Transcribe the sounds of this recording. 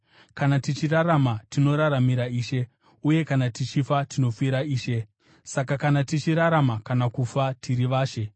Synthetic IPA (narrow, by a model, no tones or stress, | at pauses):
kanatit͡ʃiraɾamatino̞ɾaɾamiɾaiːʃe̞ | uje̞kanatit͡ʃifatino̞fiɾaiːʃe̞ | sakakanatit͡ʃiɾaɾamakanakufatʰiɾiʋaːʃe̞